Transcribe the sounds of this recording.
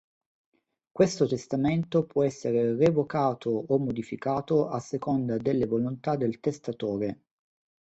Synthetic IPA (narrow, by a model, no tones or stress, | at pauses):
kwest̪ot̪est̪ament̪opwɔɛsːeɾerevokaːt̪ʰoomːod̪ifikaːt̪oʔasːekond̪ad̪elːevolont̪ad̪ːelt̪est̪at̪oːɾe